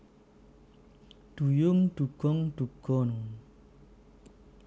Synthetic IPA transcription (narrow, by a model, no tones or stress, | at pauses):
d̥ujoŋd̥uɡ̥ɔŋduɡ̥ɔnuŋ